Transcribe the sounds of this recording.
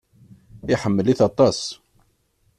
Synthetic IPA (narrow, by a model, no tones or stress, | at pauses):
ɪħəmːəliθɑt̪ˤɑs